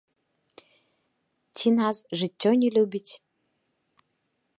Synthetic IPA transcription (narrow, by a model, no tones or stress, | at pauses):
tʲʰinasʒɨtʲːonʲelʲubʲitʲ